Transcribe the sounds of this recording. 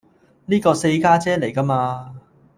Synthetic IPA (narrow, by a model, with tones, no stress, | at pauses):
niː˥kɔː˧se˧jkaː˥t͡sɛː˥ne˨˩jkɐ˥maː˧